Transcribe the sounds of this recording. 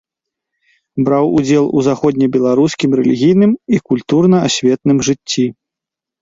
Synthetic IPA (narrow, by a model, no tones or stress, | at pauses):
bɾawud͡zʲɛlˠuzaxɔd̪ʲnʲɛbʲɛlˠaɾuskʲimɾɛlʲiɣʲijnɨmikulʲt̪urnɐasʲvʲɛt̪̚nɨmʐɨt͡sʲːi